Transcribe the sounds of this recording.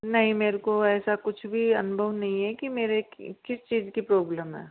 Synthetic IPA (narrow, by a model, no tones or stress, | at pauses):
nɐɦĩmeːɾkoɛːsakʊt͡ʃʰbʱiɐnʊbʱəʋnɐɦĩɦɛkimeːɾekɪst͡ʃiːzkipɾoːbləmɦɛ̰ː